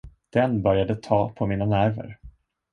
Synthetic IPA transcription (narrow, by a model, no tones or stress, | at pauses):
d̪̥ɛnbœɾjad̪ət̪ʰɑːpʰɔmiːnanæɾvə̰ɾ